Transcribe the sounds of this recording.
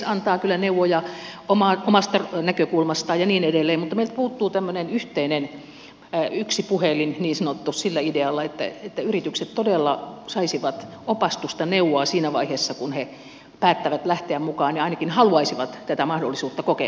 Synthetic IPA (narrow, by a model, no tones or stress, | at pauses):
ɑnt̪ɑːkylːæneuwojɑʔomɑʔomɑst̪ɑrnækøkulmɑst̪ɑːjɑniːnedelːeːmmut̪ːɑmeilt̪̚puːt̪ːuːt̪æmːønenyht̪einen | yksipuhelinniːnsɑnot̪ːussilːæideɑlːɑet̪ːæ̰et̪ːæyrit̪ykset̪t̪odelːɑsɑisiʋɑt̪opɑst̪ust̪ɑneuwːˑoɑsiːnæʋɑ̰iheːsːɑkunhe | pæːt̪ːæʋæt̪læht̪eæmmukɑːniɑinɑkinhɑluɑisiʋɑt̪t̪æt̪æmɑhdolːisuːt̪ːɑkokḛ